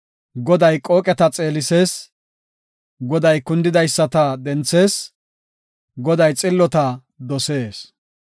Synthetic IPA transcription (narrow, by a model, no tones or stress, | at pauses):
ɡɔd̪ɐjkʼoːkʼɛt̪ɐt͡sʼe̞ːlɪse̞ːs | ɡɔd̪ɐjkʊnd̪ɪd̪ɐjsːɐt̪ɐd̪ɛnt͡sːe̞ːs | ɡɔd̪ɐjt͡sʼɪlːɔt̪ɐ | d̪ɔse̞ːs